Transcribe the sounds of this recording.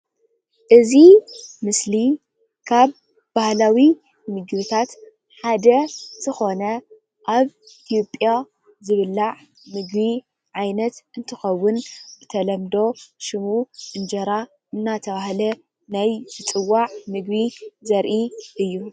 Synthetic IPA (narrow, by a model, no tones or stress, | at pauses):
ʔɨzimɨsli | kʰaβ | bahlawi | mɨɡbɨt̪ʰat̪ | ħad̪ɐz̥ɨxo̞nɐ | ʔaβ | it̪ʰjo̞pʼja | zɨβɨlːaʕ | mɨɡbi | ʕajnɐt̪ɨnt̪ʰɨxɐwːʊnɨt̪ʰɐlɐmd̪o̞ʃɨmuʔɨnd͡ʒɐɾa | ʔɨnːat̪ʰɐβahlɐ | najzɨt͡sʼɨwːaʕmɨɡbizɐɾʔiʔɨjːu